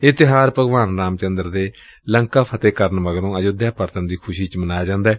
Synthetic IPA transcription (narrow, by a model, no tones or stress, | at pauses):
ɪt̪ɪɦaːɾpəɡʋaːnɾaːmt͡ʃənd̪əɾd̪eː | ləŋkaːpʰət̪eːkəɾənməɡɾõːəd͡ʒod̪jaːpəɾt̪ənd̪iːkʰʊʃiːt͡ʃmənaːjaːd͡ʒãːnd̪aːɛː